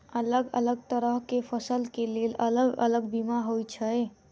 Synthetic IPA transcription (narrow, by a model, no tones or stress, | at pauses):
ələɡə̰ləɡ̚t̪əɾəɦkepʰəsəlkelelələɡə̰ləɡbimaɦojt͡ʃʰəj